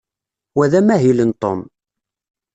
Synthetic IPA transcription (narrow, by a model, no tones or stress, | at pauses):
wæðæmæɦilənt̪ˤo̰m